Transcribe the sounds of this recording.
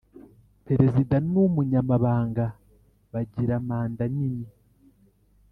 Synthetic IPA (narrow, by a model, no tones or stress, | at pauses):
pe̞ɾe̞zidanumuɲamaβaːŋɡa | βaɟiɾamaːndanini